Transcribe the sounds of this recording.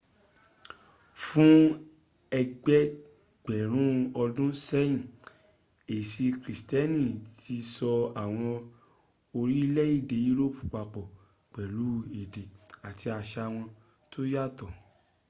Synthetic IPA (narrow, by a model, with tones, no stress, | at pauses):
fũ˦ | ɛ˧ɡ͡bɛ˦ | ɡ͡bɛ˨ɾ̃ũ˦ɔ˧dũ˦sɛ˦j̃ĩ˨ | e˨si˧kɾi˨stɛ˦nĩ˦˨tʰi˧sɔ˧a˨w̃ɔ̃˧ | o˧ɾi˦lɛ˦i˦˨de˨ju˦ɾo˦˨pu˨k͡pa˨k͡pɔ˨ | k͡pɛ˨lu˨˦e˨de˨a˨tʰi˧a˧ʃa˧w̃ɔ̃˧ | tʰo˦ja˦˨tɔ˨